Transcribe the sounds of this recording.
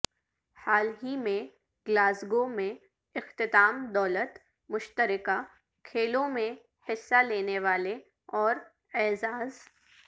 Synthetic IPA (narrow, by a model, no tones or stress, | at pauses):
haːlɦimẽ | ɡlaːsɡomẽ | ɪxt̪ɪt̪aːmd̪ɔːlət̪ | mʊʃt̪əɾɪka | kʰeːlõmẽ | hɪsːaleːneʋaːle | ɔːɾ | ɛːzaːz